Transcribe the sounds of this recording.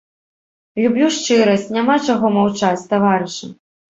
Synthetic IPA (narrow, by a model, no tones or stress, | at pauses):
lʲubʲlʲuʂt͡ʂɨɾɐsʲt͡sʲnʲamat͡ʂaɣɔmawt͡ʂat͡sʲt̪avaɾɨʂɐ̰